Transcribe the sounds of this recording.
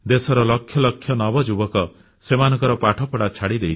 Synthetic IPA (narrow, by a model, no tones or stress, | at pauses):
d̪esɔɾɔlɔkʰjɔlɔkʰːjɔnɔbɔd͡ʒubɔkɔ | semanɔ̃ŋkɔɾɔpaʈʰɔpɔɽat͡ʃʰaɽid̪ejt͡ʃʰ